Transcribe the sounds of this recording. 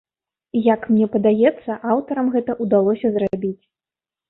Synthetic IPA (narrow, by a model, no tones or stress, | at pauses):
jakmnʲɛpɐd̪ajɛt̪sːɐʔawt̪ɐɾɐmɣɛt̪ɐʔud̪alˠɔsʲɐzrabʲit͡sʲ